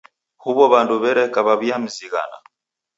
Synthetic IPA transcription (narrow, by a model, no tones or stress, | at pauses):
huβɔβanduβɛɾɛkaβaβiam̩ziɣa̰na̰